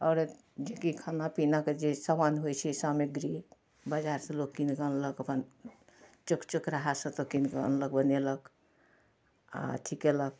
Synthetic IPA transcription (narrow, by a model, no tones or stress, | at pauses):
ɔɾ | d͡ʒekikʰanapinaked͡ʒesəmanɦojt͡ʃʰisameɡɾi | bəd͡ʒaɾsẽlokkinkənləkəpʰən | t͡ʃukt͡ʃukɾaɦasə̃t̪əkinkə̰nlək̚bənelək | a̰ʈʰikelək